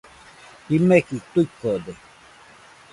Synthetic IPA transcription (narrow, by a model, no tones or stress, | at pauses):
himekit̪uikːod̪e